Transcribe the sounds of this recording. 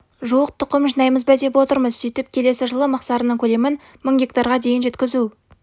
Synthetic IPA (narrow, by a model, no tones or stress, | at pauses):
ʒuwəq̚t̪ʰʊqəmʒənɑjməzbæd̪e̞pwo̞t̪əɾməzsijt̪ɪp̚kʲʰe̞le̞sɪʒəlˠəmɑqsɑɾənəɴkʲʰɵle̞mɪn | məɴɡʲe̞kt̪ɑɾʁɑd̪e̞jɪnʒe̞t̪kʲɪzu